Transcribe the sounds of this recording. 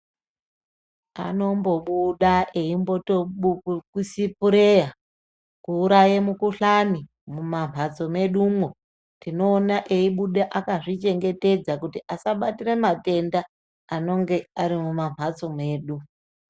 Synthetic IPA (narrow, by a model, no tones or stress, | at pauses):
a̰no̞mbo̞ɓuɗaʔeimbo̞toɓuukusipuɾeja | kuːɾajemukuɬani | mumam̤ʱat͡so̞me̞ɗuːmo | tino̞ːnaʔeiɓuɗeʔakaʐit͡ʃe̞ŋɡe̞te̞d͡zakutiʔasaɓatiremate̞ndaː | no̞ŋɡe̞aɾimumam̤at͡so̞me̞ːɗu